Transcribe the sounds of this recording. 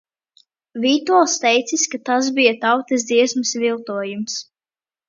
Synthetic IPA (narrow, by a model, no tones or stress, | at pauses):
vʲit̪uɔlˠst̪ɛjt̪siskat̪az̬bijat̪awt̪ɛs̬d̪ziɛsmɨsvilˠt̪uɔjums